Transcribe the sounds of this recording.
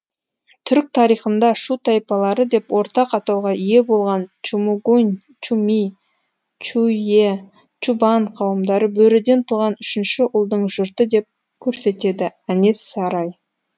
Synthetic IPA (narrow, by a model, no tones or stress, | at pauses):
t̪ʰʏɾk̚t̪ʰɑɾijχənd̪ɑʃut̪ʰɑjpɑlˠɑɾəd̪e̞pwo̞ɾt̪ɑqɑt̪ɑwʁɑʔije̞bo̞lˠʁɑnt͡ʃumuɡun | t͡ʃumi | t͡ʃue | t͡ʃubɑɴqʰɑwəmd̪ɑɾəbɵɾɪd̪e̞nt̪ʰuʁɑnʏʃɪnʃɪʔʊlˠd̪əɴʒʊɾt̪əd̪e̞p̚ | kʲʰɵɾse̞t̪e̞d̪ɪæne̞sːɑɾɑj